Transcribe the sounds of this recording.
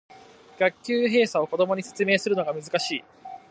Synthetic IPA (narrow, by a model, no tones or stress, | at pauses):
ɡ̥akʲːɨːɦe̞ːsao̞ko̞d̪o̞mo̞ɲ̟ise̞̥t͡sɨme̞ːsɨɾɯ̟no̞ɡamɯ̟zɨkaɕiː